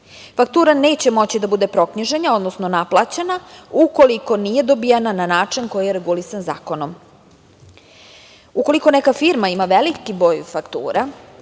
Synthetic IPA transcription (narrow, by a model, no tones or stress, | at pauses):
fak̚t̪uːɾane̞ːt͡ɕe̞mo̞t͡ɕid̪abud̪e̞pɾo̞kɲiʒeɲao̞d̪nosno̞naplˠat͡ɕenauko̞liko̞nije̞d̪o̞bijanananaːt͡ʂinko̞jijeɾeɡulisanza̰ːko̞nom | uko̞liko̞nekafiɾmaimaʋelikibɾo̞ːjfakt̪ṵːɾa